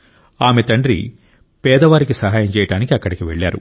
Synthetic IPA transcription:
aːmet̪ɐɳɖɾḭ | pɛːd̪ɐʋaːɾikisɐɦaːjɐmt͡ʃɛːjɐʈaːnikiɐkːɐɽikiʋeɭːa̰ːɾṵ

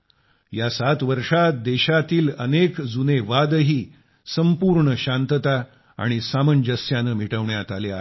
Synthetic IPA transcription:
jasat̪ʋəɾʂat̪̚d̪eɕat̪iːlənekd͡zuneʋad̪əɦiː | səmpuɾɳəɕant̪ət̪a | a̰ɽ̃isamənd͡ʑəsjanəːmiʈəʋɳjat̪alea

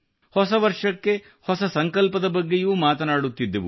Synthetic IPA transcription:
hɔsɐʋɐɾʂɐkːe̞ | hɔsɐsɐŋkɐlpɐd̪ɐbɐɡːe̞juːmaːt̪ɐnaːɽut̪ːid̪ːɐʋu

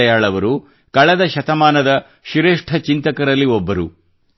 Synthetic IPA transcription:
ɐjaːɭɐʋɐɾu | kɐɭɐd̪ɐʃɐt̪ɐmaːnɐd̪ɐ | ʃiɾeːʂʈʰɐt͡ʃint̪ɐkɐɾɐlːiɔbːɐɾu

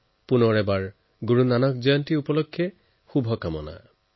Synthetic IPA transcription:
punɔɹɛbaɹ | ɡuɹunanɔkd͡ʒɔjɔntiupɔlokʰːje | xubʱɔkamɔ̰na̰

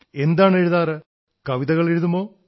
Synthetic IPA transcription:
e̞nd̪aːɳeɻuðaːrɨ | kɐʋiðɐɣɐɭeɻuðumoː

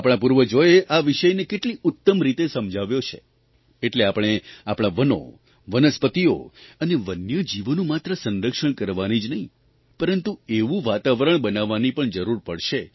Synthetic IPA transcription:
apɽ̃ãpuɾʋəd͡ʒojeʔaʋɪʃəjnekeʈliʊt̪ːəmɾit̪esəmd͡ʒʱaʋjot͡ʃʰḛ | eʈleapɽ̃eapɽ̃aʋəno̰ | ʋənəspət̪io̰əneʋənjəd͡ʒiʋənũmat̪ɾəsənɾəkʃəɳkəɾʋanid͡ʒnəɦĩ | pəɾənt̪ueʋũʋat̪aʋəɾəɳ̃bənaʋːanipəɳd͡ʒəɾuɾpəɭʃe

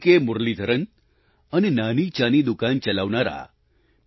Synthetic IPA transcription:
kemʊɾlid̪ʱəɾən | ənenanit͡ʃanid̪ukant͡ʃəlaʋnaɾa̰

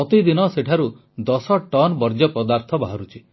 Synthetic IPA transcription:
ɔt̪id̪inɔseʈʰaɾu | d̪ɔsɔʈɔnbɔɾd͡ʒɔpɔd̪aɾt̪ʰɔbaɦɔɾut͡ʃʰi

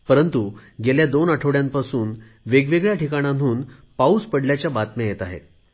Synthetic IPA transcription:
pəɾənt̪uɡeljad̪onəʈʰəoʋɽjampasuːn | ʋeɡʋeɡɭjaʈʰikaɽ̃ãnuːn | pauspəɽljat͡ɕjabat̪mjajet̪aɦḛt̪̚

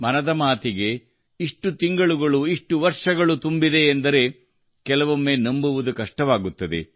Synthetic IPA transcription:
mɐnɐd̪ɐmaːt̪iɡe̞ | iʂʈut̪iŋɡɐɭuɡɐɭuiʂʈuʋɐɾʂɐɡɐɭut̪umbid̪e̞ːnd̪ɐɾe̞ | kɛlɐʋumːeːnɐmbuʋud̪ukɐʂʈɐʋaːɡut̪ːɐd̪ḛ

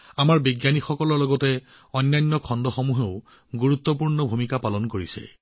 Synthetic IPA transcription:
amaɹbiɡjanixɔkɔlɔɹlɔɡɔtɛ | ɔjnːajnːɔkʰɔndɔxomuɦeʊ | ɡuɹut̪ːɔpuɹnɔbʱumikapalɔnkoɹisɛ̰

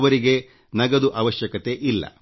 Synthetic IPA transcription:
ʋɐɾiɡe̞ | nɐɡɐd̪uʔɐʋɐʃjɐkɐt̪e̞ʔilːɐ̰

